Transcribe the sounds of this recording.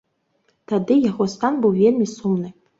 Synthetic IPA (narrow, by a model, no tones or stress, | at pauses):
t̪ʰad̪ɨjaχost̪ʰanbɨwvʲelʲmʲisumnɨ